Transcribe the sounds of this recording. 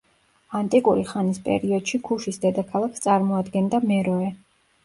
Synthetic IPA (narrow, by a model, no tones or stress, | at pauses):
ant̪ʼikʼuɾiχanispʼɛ̰ɾiɔd̪̥ʃikʰuʃisd̪ɛd̪akʰalˠakʰst̪sʼaɾmɔad̪ɡɛnd̪amɛɾɔɛ